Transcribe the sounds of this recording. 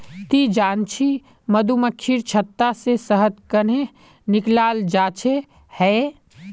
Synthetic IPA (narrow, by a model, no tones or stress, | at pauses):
t̪id͡ʒaːnt͡ʃʰi | məd̪ʱuməkʰːiɾt͡ʃʰət̪ːasesəɦəd̪kəne | nɪklaːld͡ʒaːt͡ʃʰe | hɛː